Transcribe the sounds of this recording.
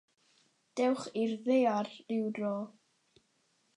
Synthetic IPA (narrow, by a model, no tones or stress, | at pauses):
d̥ɛwχirðearːɪwdrɔ